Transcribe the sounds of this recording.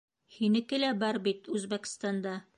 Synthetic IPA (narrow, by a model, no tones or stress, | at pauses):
hinɘ̆kɘ̆læbɑɾbit̪ʉzbæk̆st̪ɑnd̪ɑ